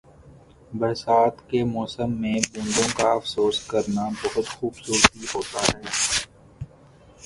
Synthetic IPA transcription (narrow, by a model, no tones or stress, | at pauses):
bɐɾsaːt̪kemɔːsəmːẽbũːɳɖ̪õkaɐfsoːskəɾnabɐɦʊt̪xuːbsuːɾt̪iɦoːt̪aɾɦeː